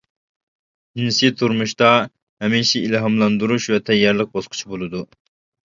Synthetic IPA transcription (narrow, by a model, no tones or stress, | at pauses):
insit̪ʰuɾmuʃt̪ɑ | ɦɛmiʃiilɦɑmlˠɑnd̪uɾuʃvɛt̪ʰɛjːɑɾlˠəq̚bɑsqʰʊ̥t͡ʃʰibolˠɨd̪u